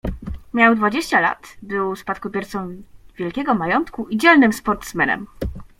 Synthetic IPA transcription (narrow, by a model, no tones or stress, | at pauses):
mʲjawd̪vad͡ʑeɕt͡ɕala̰t̪bɘwspat̪̚kɔbʲjɛɾt̪sɔ̃w̃vʲjɛlkʲɛɡɔmajɔnt̪kuid͡ʑɛlnɘmspɔɾt̪smɛnɛ̰m